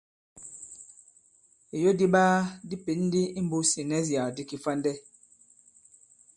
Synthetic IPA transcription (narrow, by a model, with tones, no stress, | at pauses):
e˨jo˦di˦ɓaː˦di˦pe˨˦n˦di˦i˦m̩˦bu˦si˨nɛ˦zja˨di˦ki˨fa˦n˦dɛ˦